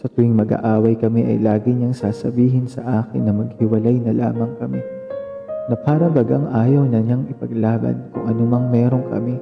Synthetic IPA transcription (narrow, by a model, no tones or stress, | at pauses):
sɐt̪ʊɪŋmɐɡa̰ʔaːwɐjkɐmɛʔɐ̰jlaːɡɪɲɐŋsaːsɐbiːɦɪnsɐʔaːkɪnːɐmɐɡ̚hɪwɐlajnɐla̰ːmɐŋkɐmɛ | nɐpaːɾɐbɐɡɐŋʔaːjɐwnɐɲaŋɪpɐɡlaːbɐ̰nkʊŋʔɐnomɐŋmɛːɾo̞ŋkɐ̰mɪ